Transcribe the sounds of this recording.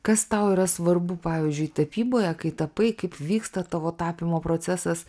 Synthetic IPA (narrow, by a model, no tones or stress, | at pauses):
kɐst̪ɐʊiːɾɐsʋɐɾbʊpɑːʋʲizʲd͡ʒʲʊɪt̪ɐpʲiːboːjɛkɐɪt̪ɐpɐɪkɐɪpʋʲiːkst̪ɐt̪ɐʋoːt̪ɑːpʲɪmoːpɾoːsʲæsɐs